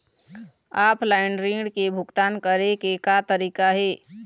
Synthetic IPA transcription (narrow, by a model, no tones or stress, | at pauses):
aːplaːɪɳɖɾiːɳɖkebʱʊɡt̪aːnkəɾekekat̪əɾiːkaɦɛː